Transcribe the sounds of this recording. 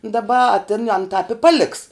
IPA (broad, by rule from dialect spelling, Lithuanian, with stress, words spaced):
dɐˈbɐ ɐ tʲɪn ɐn tɑːp ɪ ˈpɑːˌlʲɪks